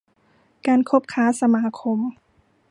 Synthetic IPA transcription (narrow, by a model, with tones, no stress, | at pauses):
kaː˧nkʰo˦˥p̚kʰaː˦˥sa˧maː˧˥kʰo˧m